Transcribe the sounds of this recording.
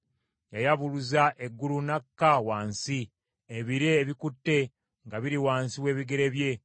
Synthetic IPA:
jajaβuluzaʔe̞ɡːulunakːawaːnsi | eβiɾeːβikutːe̞ | ŋɡaβiɾiwaːnsiwe̞ːβiɡe̞ɾe̞βje̞

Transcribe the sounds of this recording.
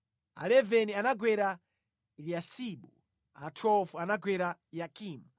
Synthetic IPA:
a̰lɛvɛnianaɡwɛɾa | liasiɓu | a̰tʰɔfuanaɡwɛɾajakiːma

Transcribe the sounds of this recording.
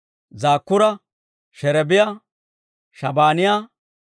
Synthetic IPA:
zaːkːʊɾɐ | ʃɛɾɛbɪja | ʃɐbaːnɪja

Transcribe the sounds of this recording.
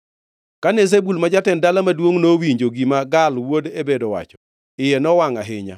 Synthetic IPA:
kanez̬ebulmad͡ʒatɛndalamadwoŋnowiɲd͡ʒoɡimaɡalwodebedɔwa̰t͡ʃɔ̥ | ɪjɛnɔwaŋaɦɪɲa̰

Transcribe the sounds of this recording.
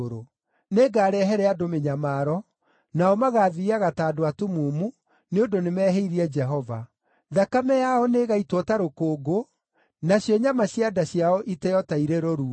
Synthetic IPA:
ɾo | neɡaːɾɛɦɛɾɛadomeɲamaɾɔ | naɔmaɣaːðiiaɣataːdoatumuːmu | neondonemɛːɦeiɾiɛd͡ʒɛɦɔva̰ | ðakamɛjaɔneɣaitwɔtaɾokoːɡo | naɕjɔɲamaɕjadaɕjaɔʔitɛjɔtaiɾeɾoɾu

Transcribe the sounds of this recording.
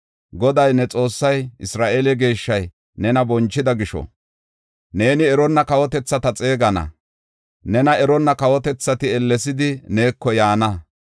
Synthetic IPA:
ɡɔd̪ɐjnɛt͡sʼo̞ːsːɐjɪsɾaːʔelɛɡe̞ːʃːɐj | nɛnɐbɔnt͡ʃːɪd̪ɐɡɪʃɔ̰ | ne̞ːnɪɛɾɔnːɐkɐwɔt̪ɛt͡sːɐt̪ɐt͡sʼe̞ːɡɐnɐ̰ | nɛnɐɛɾɔnːɐkɐwɔt̪ɛt͡sːɐt̪ɪɛlːɛs̬ɪd̪ɪne̞ːkːɔjaːnɐ

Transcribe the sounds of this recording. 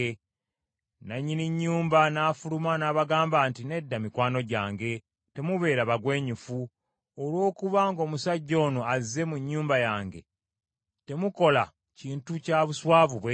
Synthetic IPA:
naɲːiniɲːuːmbanaːfulumanaːβaɡaːmbaːntine̞dːamikwaːno̞ɟaːŋɡe̞ | te̞muβe̞ːɾaβaɡwe̞ːɲufu | olwo̞ːkuβaŋɡo̞ːmusaɟːo̞ːno̞aze̞muɲːuːmbajaːŋɡe̞ | te̞muko̞la | ciːntucaːβuswaːvuβwe

